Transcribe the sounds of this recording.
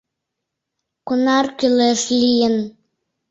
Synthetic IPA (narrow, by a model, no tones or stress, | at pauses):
kunɑrkyleʃlʲijən